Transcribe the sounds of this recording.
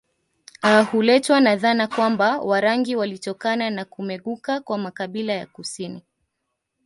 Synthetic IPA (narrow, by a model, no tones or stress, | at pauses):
ahulɛtwanaðanakwambawaɾaŋɡiwalitɔkananakumɛɠukakwamakaɓilaja̰kusini